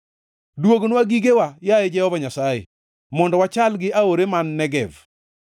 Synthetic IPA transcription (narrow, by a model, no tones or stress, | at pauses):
dwoɡnwaɡiɡewajajed͡ʒɛhɔvaɲasajḛ | mɔndɔwat͡ʃalɡɪaoɾemanːɛɡɛv